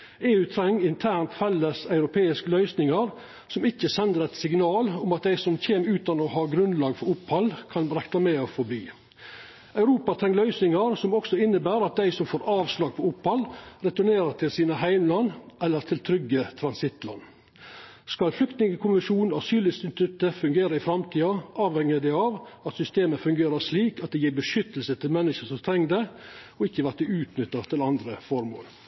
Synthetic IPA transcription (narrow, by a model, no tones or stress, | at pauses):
eːʉːt̪ʰɾɛŋːɪnt̪ʰæːɳt̪fɛlːəsœʉɾʊpʰeːɪskəlœʏsnɪŋɑɾ | sɔmɪçːəsɛnd̪əɾɛt̪sɪɡnɑːlʊmɑt̪̚d̪æɪsɔmçeːməɾʉːt̪ɑnɔhɑːɡɾʉnlɑːɡfɔɾʊphɑlkʰɑnɾɛklɑmeːəfɔbiː | œʉɾuːpɑt̪ʰɾɛŋːlœʏsnɪŋɑɾsɔmɔksɔɪnːəbæːɾɑt̪̚d̪æɪsɔmfoːɾʔɑːʋslɑːɡ̚pʰɔʊphɑlɾɛt̪ʊɳeːɾət̪ʰɪlsiːnəɦæɪmlɑnːʔɛlːəɾt̪ʰɪlt̪ʰɾʏɡːət̪ʰɾɑnsɪt̪ːlɑ̰nː | skɑlflʏkt̪nɪŋəkʰʊmɪʂuːnɑsyːlɪst̪ɪnst̪ʉt̪ːəfʉŋɡeːɾɑɪfɾɑmt̪ʰiːɑʔɑːʋhɛŋɪəd̪æɪɑʋɑt̪sʏst̪eːməfʉŋɡeːɾɑʂliːkɑt̪̚d̪ɛjiːɾbəʂʏt̪ːəlsət̪ʰɪlmɛnːəʂəsɔmt̪ʰɾɛŋːd̪ɛɔɪkːəʋætd̪ɛʉːt̪nʏt̪ːɑt̪ʰɪlɑnd̪ɾəfɔɾmo̰ːl